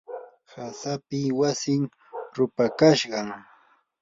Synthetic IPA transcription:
hasapɪwasɪŋ | ɾʊpakaʃɢɑŋ

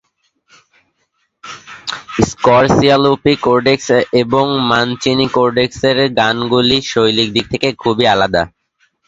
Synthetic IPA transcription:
skɔɾsialupikoɾɖekseboŋmant͡ɕinikoɾɖekseɾɡanɡuliʃojlik̚d̪ik̚t̪ʰekekʰubialad̪a̰

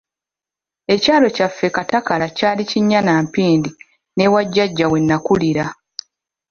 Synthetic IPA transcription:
e̞caːlo̞cafːe̞katakalacaːliciɲːanaːmpiːndi | ne̞waɟːaɟːawe̞nːakuliɾa

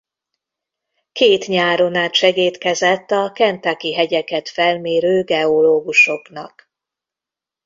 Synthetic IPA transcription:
keːt̪ɲaːɾonaːt̪ʃɛɡeːt̪kɛzɛt̪ːɒkɛnt̪akiɦɛɟɛkɛt̪fɛlmeːɾøːɡɛoloːɡuʃo̞knɒk

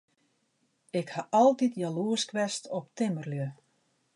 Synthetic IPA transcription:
ɪkhaʔɔlˠtitʰjaluəskʋɛstɔptɪmərljø

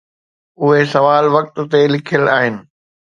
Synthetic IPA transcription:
ʊɦesɐʋaːlʋɐk̚t̪̆t̪elɪkʰijəlaːɦɪnɪ̆

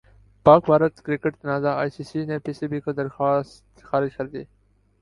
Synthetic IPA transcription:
paːkbʱaːɾət̪kɾɪkɪʈt̪ɐnaːzaaːjsiːsinepiːsibiːkod̪ɐɾxaːst̪xaːɾɪd͡ʒkɐɾd̪iː

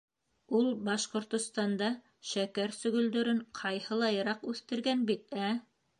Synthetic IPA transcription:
ulˠbɑʃqŏɾt̪ŏst̪ɑnd̪ɑ | ʃækæɾsɵ̆ɡɵ̆ld̪ɵ̆ɾɘɴqʰɑjhɤ̆lˠɑjɤ̆ɾɑqʉθt̪ɘ̆ɾɡænbit̪̚æ

